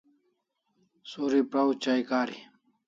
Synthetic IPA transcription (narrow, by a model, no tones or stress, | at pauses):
soːɾipɾaut͡ɕaːikaːɾi